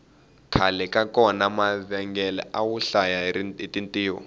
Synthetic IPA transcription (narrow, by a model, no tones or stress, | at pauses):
kʰalɛkʼakɔnamavɛŋɡɛlɛ̰ʔawuɬajaitintʼiːwɔ̰